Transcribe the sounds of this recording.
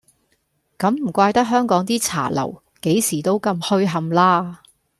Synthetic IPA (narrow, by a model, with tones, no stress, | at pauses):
kɐ˨˥mm̩˨˩kʷaː˧jt̪ɐ˥k̚ɦœː˥ŋkɔː˨˥ŋt̪iː˥t͡sʰa̰ː˨˩lɐ̰˨˩w | ke˨˥jsiː˨˩t̪o˥wkɐ˧mhɵ˥ɥɦɐ˨˧mlaː˥